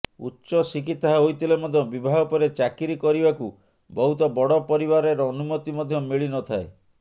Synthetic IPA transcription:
ṵtːʃɔsikit̪ːaɦojt̪ʰilemɔd̪ʱjɔbibʱaɦɔpɔɾet͡ʃakiɾikɔɾibaku | bɔɦut̪ɔbɔɽɔpɔɾiβaɾeɾɔːnumɔt̪imɔd̪ʱjɔmiɭinɔt̪ʰae

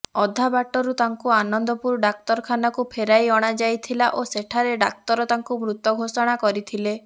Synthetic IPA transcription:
ɔd̪ʱabaʈɔɾut̪aŋkuanɔnd̪ɔpuɾɖak̚t̪ɔɾkʰanɔkupʰeɾajɔɽ̃ad͡ʒajt̪ʰilaʔoseʈʰaɾeɖak̚t̪ɔɾɔt̪aŋkumɾut̪ɔɡʱosɔɽ̃akɔɾit̪ʰile

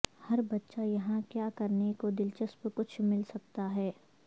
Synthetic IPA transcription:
hɐɾbɐtːʃajɐɦãkjaːkɐɾnekod̪ɪlt͡ʃəspkʊt͡ʃʰmɪlsɐk̚t̪aɦɛː

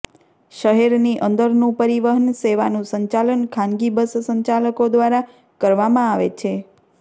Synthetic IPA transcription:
ʃəɦɛɾniʔə̃nd̪əɾnũpəɾiʋəɦənseʋanũsəɲt͡ʃalənkʰãnɡibəssəɲt͡ʃaləkod̪ʋaɾa | kəɾʋamãaʋḛt͡ʃʰe

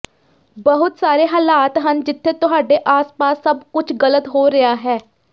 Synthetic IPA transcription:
bəɦʊt̪saːɾeːɦaːlaːt̪ɦənd͡ʒɪt̪ʰːeːt̪ʊɦaːɖeːʔaːspaːsːəbkʊt͡ʃʰɡələt̪ɦoːɾɪaːɦɛː

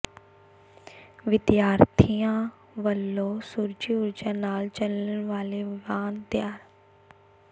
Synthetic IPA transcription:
ʋɪd̪jaːɾt̪ʰijãː | ʋəlːoːsuɾd͡ʒiːʊɾd͡ʒaːnaːlt͡ʃələnʋaːleːʋaːnt̪jaːɾ

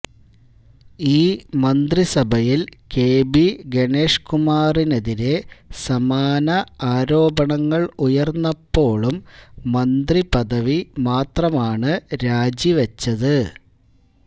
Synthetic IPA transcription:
iːmɐnd̪risɐbʱɐjilke̞ːbiɡe̞ɳe̞ːʂkumaːrineðiɾe̞sɐmaːnɐaːɾo̞ːbɐɳɐŋːɐɭujɐrnːɐpːo̞ːɭumːɐnd̪ripɐðɐʋimaːt̪rɐmaːɳɨɾaːd͡ʑiʋɐt͡ɕːɐðɨ

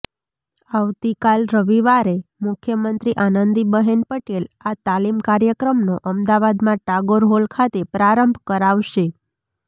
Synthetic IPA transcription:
aʋt̪ikalɾəʋiʋaɾemʊkʰjəmənt̪ɾiʔanənd̪ibəɦenpəʈelat̪alimkaɾjəkɾəmnoʔəmd̪aʋad̪mãʈaɡoɾɦolkʰat̪epɾaɾəmbʱkəɾaʋʃe

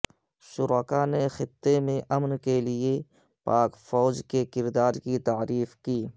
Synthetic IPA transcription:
ʃʊɾaːkanexɪt̪ːemẽʔɐmnkelɪe | paːkfɔːd͡ʒkekɪɾd̪aːɾkit̪aːɾiːfkiː

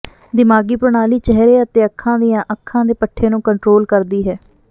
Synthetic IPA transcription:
d̪ɪmaːɡiːpʊɾɳaːliːt͡ʃɛɦɾeːət̪eːəkʰːãːd̪ijãːʔəkʰːãːd̪eːpəʈʰːeːnũːkəɳʈɾoːlkəɾd̪iːɦɛː

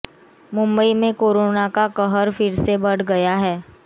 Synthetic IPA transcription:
mʊ̃mbəimẽkoːɾonakakəɦəɾfɪɾsebəɽɡɐjaɦɛː

